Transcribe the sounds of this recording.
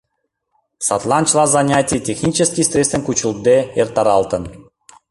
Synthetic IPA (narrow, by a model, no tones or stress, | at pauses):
sɑt̪lˠɑnʲt͡ɕlˠɑzanʲatʲijtʲexnʲit͡ɕəskʲist̪ʲrʲest̪vənʲkut͡ɕulˠd̪eert̪ɑɾɑlˠt̪ə̆n